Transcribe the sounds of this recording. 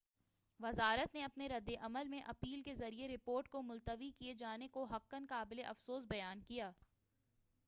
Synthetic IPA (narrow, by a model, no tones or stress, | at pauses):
ʋɐzaːɾət̪neɐpneɾɐd̪ːeʔɐməlmẽʔɐpiːlkezɐɾieɾɪpoːɾʈkomʊlt̪əʋikied͡ʒaːnekoɦɐkːənkaːbɪleʔɐfsoːsbɐjaːnkijaː